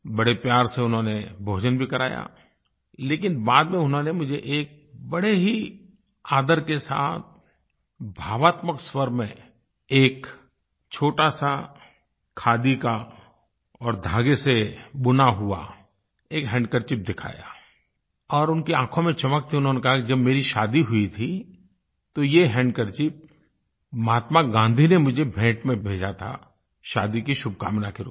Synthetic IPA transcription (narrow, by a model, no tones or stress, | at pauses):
bɐɽepjaːɾseʊnɦõnebʱoːd͡ʒənbʱikɐɾaːja̰ | leːkɪnbaːd̪mẽʊnɦõnemʊd͡ʒʱeʔeːk̚bɐɽeɦi | aːd̪əɾkesa̰ːt̪̚ʰ | bʱaːʋaːt̪məkswəɾmẽ | eːk | t͡ʃʰoːʈasa | kʰaːd̪ika | ɔːɾd̪ʱaːɡesebʊnaɦua̰ | eːkɦɛ̃ːɳɖkəɾt͡ʃɪp̚d̪ɪkʰa̰ːja̰ː | ɔːɾʊnkiãːkʰõmẽt͡ʃɐmək̚t̪ʰiʊnɦõnekɐɦakid͡ʒɐbmeːɾiʃaːd̪iɦʊit̪ʰi | t̪ojeɦɛ̃ːɳɖkəɾt͡ʃɪp̚ | maːt̪maɡãːnd̪ʱinemʊd͡ʒʱebʱɛ̃ːʈmẽbʱeːd͡ʒat̪ʰa̰ | ʃa̰ːd̪ikiʃʊb̚ʱka̰ːmnakeɾo̰